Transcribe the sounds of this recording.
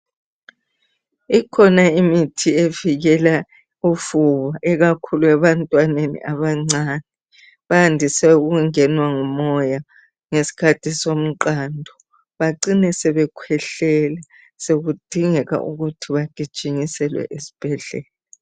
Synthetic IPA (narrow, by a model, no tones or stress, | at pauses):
ikʰɔnaimitʰieviɣɛla | ufuβaʔɛɣakʰuluɛβantʼwanenḭʔaβaŋ͡ǀanɛ | βaandʱisɛuɣuŋɛnwaŋumɔja | ŋesi̥kʰatʰʼisom̩ǃaːndʱɔ | βaǀinɛsɛβɛkʰwɛɬɛlɛ | seɣud̥ʱiŋɛɣa̰ʔuɣutʰiβaɡ̥ʱid̥ʒ̥ʱiŋisɛlwɛ̰ʔesi̥b̥ʱɛɮɛːla